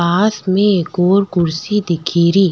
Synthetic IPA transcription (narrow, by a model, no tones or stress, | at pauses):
aːsmẽeːkoːɾkʊɾsid̪ɪkʰiːɾiː